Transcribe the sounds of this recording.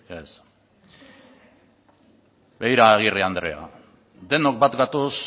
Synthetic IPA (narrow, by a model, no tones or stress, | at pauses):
es | bejɾaːɣ̞iriand̪ɾe̞̰a̰ | d̪e̞nok̚bat̪ɡat̪os